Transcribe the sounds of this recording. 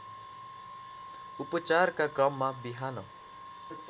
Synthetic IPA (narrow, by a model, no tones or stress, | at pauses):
upʌt͡sarkakrʌmːabiɦanʌ